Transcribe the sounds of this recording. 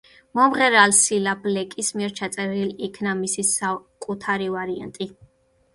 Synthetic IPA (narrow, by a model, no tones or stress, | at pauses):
mɔmʁɛɾalsilablɛkʼismiɛɾt͡ʃʰat̪sʼɛɾilikʰnamisisakʼut̪ʰaɾivaɾia̰nt̪ʼi